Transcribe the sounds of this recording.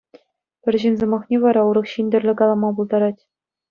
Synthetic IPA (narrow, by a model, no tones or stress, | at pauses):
pʲɘ̆rʲʑinʲzɤ̆mɑχnʲeʋɑɾɑuɾɤ̆χɕinʲdʲɘ̆rʲlʲɘ̆kɑlˠɑmɑbulˠd̪ɑɾɑtʲ